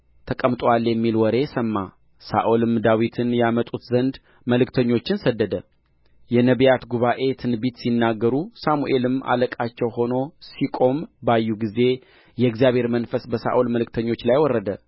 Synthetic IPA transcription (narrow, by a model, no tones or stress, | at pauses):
t̪ʰəkʼəmt̪ʼwalːjɛmːilwɔɾe̞səmːa | sa̰ʔolɨmd̪awit̪ʰɨnjamət̪ʼut̪zənd̪ | məlɨkt̪ʰəɲːo̞t͡ʃːɪnsəd̪ːəd̪ə | jɛnəβjat̪ɡuβaʔe̞t̪ʰɨnbit̪sinːaɡːəɾusamuʔe̞lɨma̰ləkʼat͡ʃːɛwho̞no̞sikʼo̞mbajːuɡize̞ | jɛɨɡzijaβhe̞ɾmənfəsbəsa̰ʔolməlɨk̚t̪ʰəɲːo̞t͡ʃːlajwɔrːəd̪ə